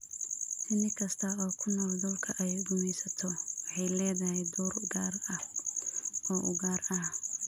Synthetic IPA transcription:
ʔɪnɪkʰɐst̪ʰɐɔːkʰʊnɔːld̪ʊlkʰɐʔɛjʊɡʊmɛjsɐt̪ʰɔwɑħɑjlɛːðɐɦɛjd̪uːrɡaːrɐ | ɔːʔʊɣaːrɐh

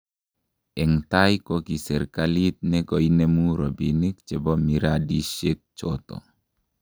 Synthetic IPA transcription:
ɛŋt̪ajkokisɛɾkalit̪̚nɛkɔinemuɾɔbinik̚t͡ʃɛbɔmiɾadiʃek̚t͡ʃot̪ɔ̰

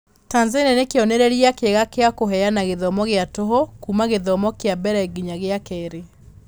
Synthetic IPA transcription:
taːnzenenekeɔnɛɾeɾiakeɣakeakoɦɛanaɣeðɔmɔɣeatoɦokumaɣeðɔmɔkeabɛɾaiɡiɲaɣeakɛːɾe

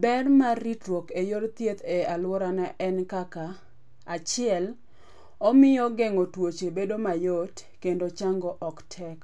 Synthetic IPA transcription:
bɛrmarːitɾwokejoɾt̪jet̪ɛalwɔɾanɛʔɛnkaka | at͡ʃɪɛl | ɔmɪjɔɡeŋotwot͡ʃebedomajot | kendot͡ʃaŋɡɔʔɔktʰɛk

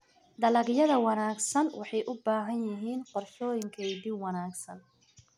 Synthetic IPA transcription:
d̪ɐlɐɡjɐðɐwɑnaːɡsɐnwɑħɑjʔʊbaːɦɐnjɪɦiːnqɔrʃɔːjɪŋkʰɛjd̪ibwɑnaːɡsɐn

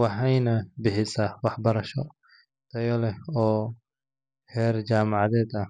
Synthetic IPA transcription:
wɑħɛjnɐbɪħɪsɐwɑħbɐɾɐʃɔ | t̪ʰɐjɔlɛɔː | hɛːrd͡ʒaːmɑʕɑðɛːd̪ɐh

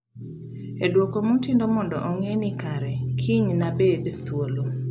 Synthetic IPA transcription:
edwokomutɪndomɔndɔ̰ʔɔŋenikaɾɛkʰiɲnabedt̪wolo

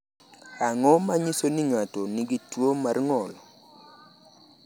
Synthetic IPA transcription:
aŋɔmaɲisonɪŋatoniɡitwomarŋɔlɔ

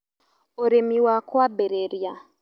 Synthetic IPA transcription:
oɾemiwakwabeɾeɾja

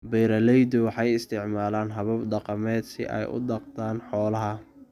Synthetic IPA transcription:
bɛːɾɐlɛjd̪ʊwɑħɑjɪst̪ʰɪʕmaːlaːnɦɐβɐbɖɑqɑmɛːd̪sɪ̰ʔɛ̰jʔʊ̰dɐqt̪ʰaːnħɔːlɐɦɐ

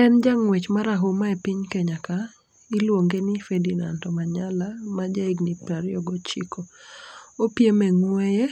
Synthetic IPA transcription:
ɛnd͡ʒaŋwet͡ʃmaɾaɦomaepiɲkeɲaka | ilwoŋɡenɪfedina̰ntɔmaɲalamad͡ʒaiɡnipɾaɾjɔɡɔt͡ʃḭkʰo | opjemɛŋweje

